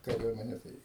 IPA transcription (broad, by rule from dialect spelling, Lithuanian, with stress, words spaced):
kɐˈrʲuɔmʲɛnʲɛ tɐɪ